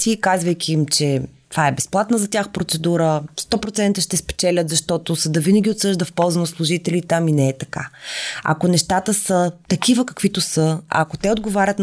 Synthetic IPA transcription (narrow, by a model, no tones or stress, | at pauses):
sikazvəjkʲʰiːmt͡ʃɛt̪vaɛbɛsplˠat̪nəzɐt̪ʲjaxpɾot̪sɛd̪uɾəst̪ɔpɾot̪sɛnt̪əʃt̪ɛspɛ̥t͡ʃɛlʲət̪zɐʃt̪ɔt̪osɐd̪əvinɐɡʲiot̪sɤʒd̪əfpɔlˠzɐnɐslˠuʒit̪ɛlʲit̪aminɛɛt̪ɐkaɐ̰konɛʃt̪at̪əsət̪ɐkʲivəkɐ̥kv̥it̪osəa̰kot̪ɛod̪ɡovaɾʲət̪n